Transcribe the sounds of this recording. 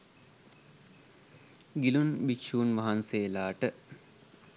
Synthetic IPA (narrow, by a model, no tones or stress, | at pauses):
ɡilunbikʃuːnʋaɦanseːlaːʈə